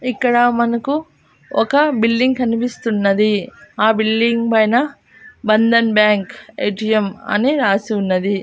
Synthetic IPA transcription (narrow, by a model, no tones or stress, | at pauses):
ikːɐɽɐmɐnɐku | ɔkɐbilɖiŋɡkɐnipist̪unːɐd̪iaːbilːiŋɡpɐjnɐ | bɐnd̪ɐnbjaːŋkḛjʈijemɐ̰niɾaːsiunːɐd̪i